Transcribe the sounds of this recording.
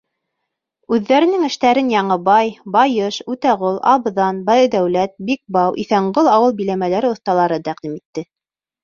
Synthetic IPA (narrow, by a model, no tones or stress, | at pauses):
ʉðːæɾɘ̆nɘŋɘ̆ʃt̪æɾɘnjɑɴɤbɑjbɑjɤʃʉt̪æʁolˠɑβðɑnbɑjɤd̪æwlæt̪̚bik̚bɑwʔiθæɴɢolˠɑwɤlˠbilæmælæɾɘŏθt̪ɑlˠɑɾɤt̪æq̚d̪imit̪ːɘ